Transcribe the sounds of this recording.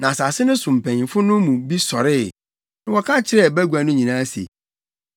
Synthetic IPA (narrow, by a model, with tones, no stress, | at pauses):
nã˨sa˨sɪ˦nʊ̃˦sʊ̃˨m̩˨pʰɛ̃˨fʊ˦nʊ̃˦mũ˨bi˦sɔ˨ɾɪ˦˨ | nʊ̃˦wɔ˨kʰã˦t͡ɕʰɪ˨ɾɛ˦˨bæ˦ɡu˨a˨nʊ̃˦ɲĩ˨nãː˦sḛ˨